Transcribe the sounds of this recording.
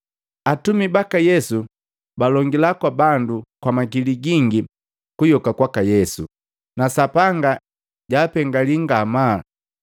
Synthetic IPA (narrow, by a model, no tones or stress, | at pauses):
atumibakajɛsu | balɔŋɡilakwabandukwamaɡiliɡiŋɡi | kujɔkakwakajɛsu | nasapaŋɡa | ɟaːpɛŋɡaliŋɡamaː